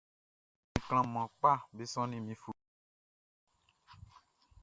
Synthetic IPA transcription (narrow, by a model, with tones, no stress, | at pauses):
mĩ˨kl̃ã˨mã˨k͡pa˦˨be˦sɔ̃˦nĩ˦mĩ˨fu˨